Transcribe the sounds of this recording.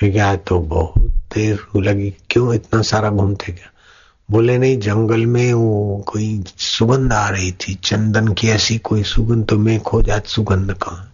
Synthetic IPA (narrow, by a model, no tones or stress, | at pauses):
piɡaːt̪obɔɦʊt̪d̪eːɾləɡikjõːɪt̪nasaːɾaɡʱumt̪eɡjaː | boːlenɐɦĩd͡ʒə̃ŋɡəlmẽokoːisʊɡə̃nd̪ʱaːɾɐɦit̪ʰit͡ʃə̃nd̪ənkiɛsikoːisʊɡə̃nd̪t̪omẽkʰod͡ʒaːt̪sʊɡə̃nd̪ʱkã